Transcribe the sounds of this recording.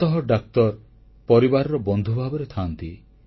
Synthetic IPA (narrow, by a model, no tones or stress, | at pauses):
t̪ɔɦɔɖak̚t̪ɔɾ | pɔɾibaɾɔɾɔbɔnd̪ʱubʱabɔɾet̪ʰant̪i